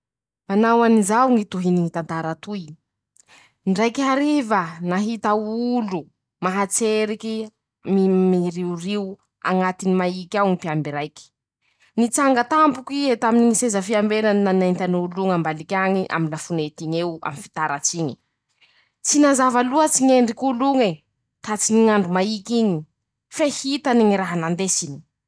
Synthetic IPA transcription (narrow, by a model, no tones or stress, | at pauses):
manawanizawŋit̪uɦiniŋit̪ant̪aɾat̪uj | ɳɖ͡ʐajkiɦaɾivənaɦit̪aulu | maɦat͡seɾiki | mimiɾiuriw | a̰ŋat̪inimaikʲawŋipiambiɾajkʲi̥ | nit͡saŋɡət̪ampukiet̪aminiŋisezəfiambeɾannanaint̪anuluŋambalikʲaɲiʔa̰minlafunet̪iɲewa̰mifi̥t̪aɾat͡siɲi̥ | t͡sinazavaluət͡siɲeɳɖ͡ʐikʲuluŋe | t̪at͡siɲiŋaɳɖ͡ʐumaikʲiɲi | fehit̪aniŋiɾaɦanand̪esini̥